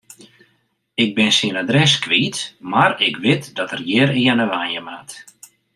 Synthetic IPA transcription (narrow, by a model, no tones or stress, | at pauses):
ɪɡ̚bɪnsiənadrɛskʋiːtmaɾɪkʋɪtdɔtərjɪːɾiənəʋanəmat